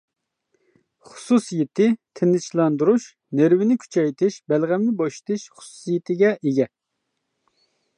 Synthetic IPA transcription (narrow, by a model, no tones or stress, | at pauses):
χʊ̥susijɪt̪ʰɪt̪ʰɪnːɪt͡ʃlˠɑnd̪uɾuʃ | neɾwɪnɪkʲʰy̥t͡ʃʰɛjt̪ʰɪʃbælʁæmnɪbɑʃt̪ʰɪʃχʊ̥su̥sijɪt̪ʰɪɡʲɛʔeɡʲɛ